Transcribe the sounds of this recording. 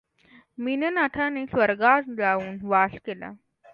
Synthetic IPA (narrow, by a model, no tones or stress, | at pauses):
minənaʈʰaneːsʋəɾɡatd͡zauːnʋaskela̰